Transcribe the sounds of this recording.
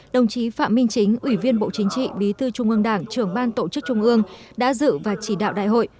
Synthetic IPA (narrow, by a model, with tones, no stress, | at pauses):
ɗə˨˩wŋ͡mt͡ɕi˨˦fa̰ː˧˨mï˧ŋ̟t͡ɕï˨˦ŋ̟ʔwi˧˩vi˧ənɓo̰˧˨t͡ɕï˨˦ŋ̟t͡ɕḭ˧˨ɓi˨˦t̪ɨ˧t͡ɕʊ˧ŋ͡mʔɨ˧əŋɗaː˧˩ŋt͡ɕɨ˧˩əŋɓaː˧nt̪o˧˩t͡ɕɨ˦˥k̚t͡ɕʊ˧ŋ͡mʔɨ˧əŋɗa̰ː˧˥zɨ̰˧˨vaː˨˩t͡ɕi˧˩ɗa̰ː˧˨wɗa̰ː˧˨jɦo̰˧˨j